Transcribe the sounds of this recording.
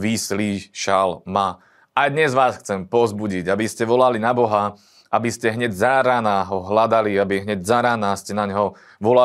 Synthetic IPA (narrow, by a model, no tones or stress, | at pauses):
ʋisliʃalma | ajd̪ɲɛzʋaːsxt͡sɛmpɔzbuɟiɟabiscɛʋɔlalinabɔɦa | ʔabiscɛɦɲɛɟzaɾanaɦɔɦlad̪aliabiɦɲɛɟzaɾanascɛnaɲɦɔ | ʋɔla